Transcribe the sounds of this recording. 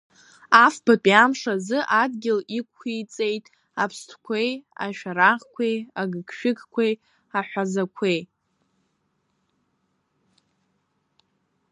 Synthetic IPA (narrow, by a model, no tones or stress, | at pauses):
afb̥apʼiamʂazɨʔadɡʲɪlikʷʰχijt͡sʼe̞jtʼ | apʰstʰkʷʰeja̰ʃᶣaɾaʁkʷʰejaɡɨkʰʼʃᶣɪkkʷej | aħᶣʷazakʷʰej